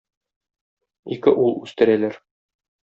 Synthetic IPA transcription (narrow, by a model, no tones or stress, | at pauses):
ikɘʔulˠʉst̪ɘ̆ɾælæɾ